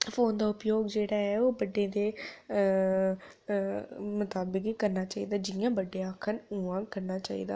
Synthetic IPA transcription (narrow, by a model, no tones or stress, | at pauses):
fʰoːnd̪aːʊpjoːɡd͡ʒeːɽaːɛːoːbəɖːẽːd̪eː | mʊt̪aːbəkkəɾnaːt͡ʃaːiːd̪aːd͡ʒɪjãːbəɖejaːkʰənuːãːkəɾnaːt͡ʃaːḭːd̪a̰ː